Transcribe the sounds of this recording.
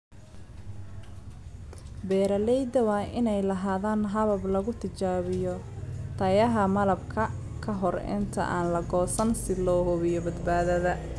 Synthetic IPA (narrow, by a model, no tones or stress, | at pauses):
bɛːɾɐlɛjd̪ɐwɑːʔɪnɛjlɐɦaːðaːnɦɐβɐblɐɣʊt̪ʰɪt͡ʃaːβɪjɔ | t̪ʰɐjɐɦɐmɐlɐb̚kʰɐ | kʰɐɦɔrɛ̰nt̪ʰɐ̰ʔa̰ːnlɐɡɔːsɐnsɪlɔːɦɔβɪjɔbɐd̪baːðɐðɐ